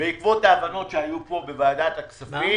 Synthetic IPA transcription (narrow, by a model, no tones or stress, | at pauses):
beikvo̞taːvano̞tʃeajuppo̞be̞vaːd̪at̪akt͡savi